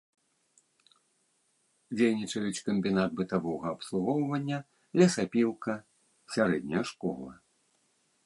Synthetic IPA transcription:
d͡zʲejnʲit͡ʂɐjut͡sʲkɐmʲbʲinad̪̚bɨt̪avɔɣɐːpslˠuɣɔwvɐnʲːɐ | lʲɐsapʲiw̪ˠkɐ | sʲaɾɛd̪ʲnʲɐjɐʂkɔ̰lˠɐ̰

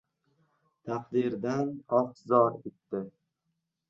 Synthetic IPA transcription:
t̪ʰɑqd̪ɪɾd̪anɒt̪zɒɾet̪ːɪ

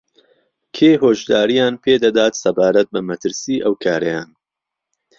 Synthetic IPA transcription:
kʰeːɦoːʒd̪aːɾijaːnpʰeːd̪ɐd̪aːt̪sɐbaːɾɐt̪̚bɐmɐt̪ʰɨɾsiːʔɐwkʰaːɾɐjaːn

